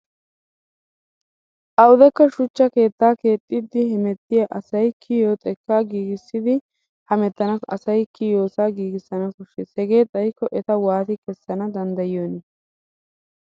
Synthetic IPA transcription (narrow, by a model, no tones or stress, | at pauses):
ʔɐwd̪ɛkːɐʃʊt͡ʃːɐke̞ːt̪ːaːke̞ːt̪ʼːɪd̪ːɪhɛmɛt̪ːɪjɐʔɐsɐjkʰɪjot̪ʼɛkːaːɡiːɡɪsːɪd̪ɪ | hɐmɛt̪ːɐnɐsɐ̰sɐjkːɪjo̞ːsaːɡiːɡɪsːɐnɐkʊʃɛsɛɡe̞ːt̪ʼɐjkːɔʔɛt̪ɐwaːt̪ɪkɛsːɐnɐd̪ɐnd̪ɐjɪjoːnɛ